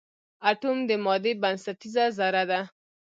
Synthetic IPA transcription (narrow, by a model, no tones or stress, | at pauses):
aʈumd̪əmɑd̪ebansat̪izazaɾad̪a